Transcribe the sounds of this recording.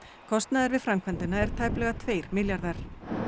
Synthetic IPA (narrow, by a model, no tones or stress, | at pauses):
kʰɔst̪naðɪɾvɪðfɾamkʰvɛnt̪ɪnːaɛɾ̥t̪ʰaːjplɛɣat̪ʰveːjɾ̥mɪljaɾðaɾ̥